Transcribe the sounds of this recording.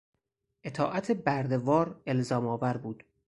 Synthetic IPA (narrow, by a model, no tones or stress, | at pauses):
ʔe̞t̪ʰɒːʔæt̪ʰebæɾd̪e̞vɒːɾe̞lzɒːmɒːvæɾbuːd̪̥